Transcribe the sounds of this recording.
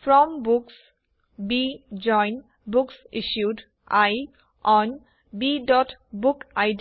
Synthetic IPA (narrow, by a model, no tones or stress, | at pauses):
fɾɔmbuks | bid͡ʒɔ̃jn | bʊksiʃjuɖ | ʔaj | ʔɔ̃n | biɖɔʈbukaɪd